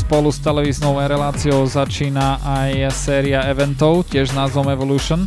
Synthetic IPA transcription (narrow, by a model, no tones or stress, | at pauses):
spɔlust̪ɛlɛʋiːznɔʊɛɾɛlaːt͡siɔʊzat͡ʃiːnaʔajsɛːɾiaɛʋɛnt̪ɔʊcɪɛʒnaːzʋɔmɛʋɔluːʃɔn